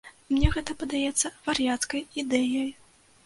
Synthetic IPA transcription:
mnʲɛɣɛt̪ɐpɐd̪ajɛt̪sːɐvɐrjat̪skɐjid̪ɛjɐj

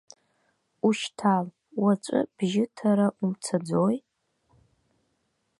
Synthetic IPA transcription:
uʃtʰaːl | wat͡ʃʷʼɨ̰b̥ʒɪtʰaɾaʔumt͡sʰad͡zoj

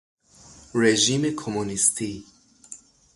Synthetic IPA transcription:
ɾeʒimekʰomunist̪ʰi

